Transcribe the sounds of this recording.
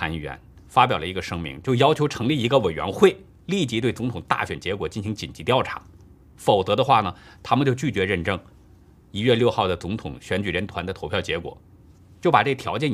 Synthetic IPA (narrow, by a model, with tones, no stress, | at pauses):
a˧˥n˩ɥɛ̰˧˥n | fa˥pjɑ˨˩lə˦˧i˧˥ɡə˧ʂɤ˥ŋmḭ˧˥ŋt͡ɕjo˥˩ʊjɑ˥ʊt͡ɕʰjo˧˥ʊʈ͡ʂʰɤ˧˥ŋli˥˩i˧˥ɡə˧we˨˩ɪɥɛ̰˧˥nxwe˥˩ɪ | li˥˩t͡ɕi˧˥t̪we˥˩ɪt͡sʊ˧˥ŋt̪ʰʊ˨˩ŋt̪a̰˥˩ɕɥɛ˨˩nt͡ɕjɛ˧˥kwɔ˨˩t͡ɕi˥˩nɕi˧˥ŋt͡ɕi˨˩nt͡ɕi˧˥t̪jɑ˥˩ʊʈ͡ʂʰḁ̰˧˥ | fo˨˩ʊt͡sɤ˧˥d̪ə˧xwa˥˩nə˩t̪ʰa˥mə˨nt͡ɕjo˥˧ʊt͡ɕy˥˩t͡ɕɥɛ˧˥ɻə˥˩nʈ͡ʂɤ˥˩ŋ | i˧˥ɥɛ˥˧ljo˥˧ʊxɑ˥˩ʊd̪ə˩t͡sʊ˧˥ŋt̪ʰʊ˨˩˦ŋɕɥɛ˧˥nt͡ɕy˨˩ɻə˧˥nt̪ʰwa̰˧˥nd̪ə˧t̪ʰo˧˥ʊpʰjɑ˥˩ʊt͡ɕjɛ˧˥kwɔ̰˨˩˦ | t͡ɕjo˥˩ʊpa˨˩ʈ͡ʂɤ˥˩t̪ʰjɑ˧˥ʊt͡ɕjɛ˥˩